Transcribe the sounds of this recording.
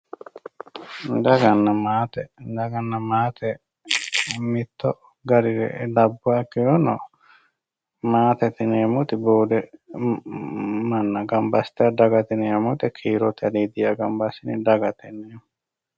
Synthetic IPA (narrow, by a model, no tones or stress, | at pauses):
d̪ɐɡɐnːɐmaːt̪ed̪ɐɡɐnːɐmaːt̪ʰe | mit̪ːo | ɡɐɾiɾḛdɐbːuaːkiɾono | maːt̪et̪ineːmut̪iboːd̪e | mɐnːɐɡɐmbɐst̪aɖɐɡɐt̪ineːmut̪ikʰiːɾot̪ʰɐɾiːd̪iaɡɐmbɐsinidɐɡɐt̪enemu